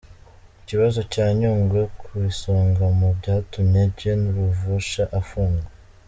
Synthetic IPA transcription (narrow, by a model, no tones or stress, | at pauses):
iciβazo̞caːɲuːŋɡwe̞kʰuβisoːŋɡamubɟaːtumɲebɟe̞nuɾuvuʃaʔafuːŋɡwa